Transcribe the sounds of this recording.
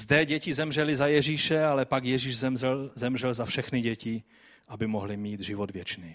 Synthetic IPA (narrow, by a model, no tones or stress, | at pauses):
zd̪ɛɟɛcɪzɛmrɛlɪzajɛʒiːʃɛalɛpakjɛʒiːʒzɛɛlzɛmrɛlzafʃɛxnɪɟɛcɪ | ʔabɪmoɦlɪmiːd̪ʒɪvod̪vjɛt͡ʃniː